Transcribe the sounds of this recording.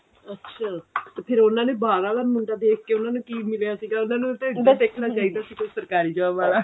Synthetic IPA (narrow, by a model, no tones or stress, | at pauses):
ətːʃʰaːt̪eːpʰɪɾʊnãːneːbaːɾaːlaːmʊɳɖaːd̪eːk̚ʰkeːʊnãːnũːkiːmɪljaːsiːɡaːʊnãːnũːt̪eɪd̪eːkʰnaːt͡ʃaːiːd̪aːsiːkosəɾkaːɾiːd͡ʒəʋaːbaːlaː